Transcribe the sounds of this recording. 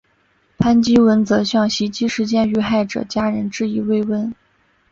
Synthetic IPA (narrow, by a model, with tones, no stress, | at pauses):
pʰa˥nt͡ɕi˥wə˧˥nt͡sɤ˧˥ɕjɑ˥˩ŋɕi˧˥t͡ɕi˥ʂɻ̩˧˥t͡ɕjɛ˥˧ny˥˧xa˥˩ɪʈ͡ʂɤ̰˨˩t͡ɕja˥ɻə˧˥nʈ͡ʂɻ̩˥˧i˧˥we˥˩˧ɪwə˥n